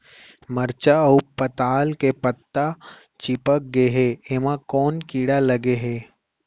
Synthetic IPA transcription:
məɾt͡ʃaʊpːət̪aːlkepət̪ːa | t͡ʃɪpək̚ɡeɦɛeːmãkɔːnkiːɽalɐɡeɦɛː

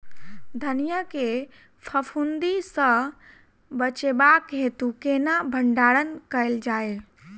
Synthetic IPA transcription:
d̪ʱənijake | pʰəpʰund̪isə̃ | bət͡ʃebakɦet̪ukenabʱəɳɖaɽənkəeld͡ʒaːe

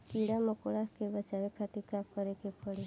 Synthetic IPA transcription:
kiɽaməkoɭakebət͡ʃaʋekʰat̪ikamkəɾekepəɽe

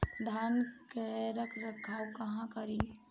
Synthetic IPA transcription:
d̪ʱankeɾəkʰɾəkʰːawkəɦãkəɾi

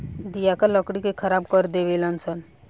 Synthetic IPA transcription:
d̪ijakaləkɽikekʰəɾab̚kəɾd̪eʋelansən

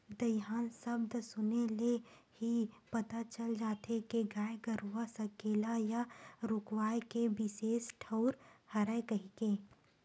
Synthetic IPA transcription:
d̪ɐɦaːnsɐbd̪sʊnelehipɐt̪at͡ʃəld͡ʒaːt̪ʰekeɡaːjɡəɾuwasɐkeːlajaɾʊkwaːjkebɪseːsʈʰəʊɾhɐɾəekɐɦikeː

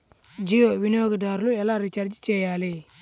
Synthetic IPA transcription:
d͡ʒijowinioɡədaɾlujalaɾit͡ʃaɾd͡ʒit͡ʃejale

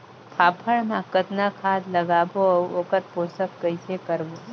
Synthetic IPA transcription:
p̪ʰaːpʰəɽmãkət̪nakʰaːd̪ləɡaːbooːkət̪̚poːsəkkəɪsekəɾʋo

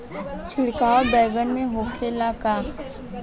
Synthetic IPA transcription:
t͡ʃʰɪɽkaːobɛːɡənmẽɦoːkʰelakaː

